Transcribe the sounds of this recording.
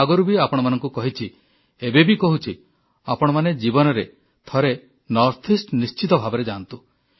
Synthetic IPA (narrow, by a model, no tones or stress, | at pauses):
aɡɔɾubiapɔɽ̃ɔmanɔŋkukɔɦit͡ʃʰi | ebebikɔɦut͡ʃʰi | apɔɽ̃ɔmaned͡ʒibɔnɔɾe | t̪ʰɔɾe | nɔɾt̪ʰisʈnist͡ʃit̪ɔbʱabɔɾed͡ʒant̪u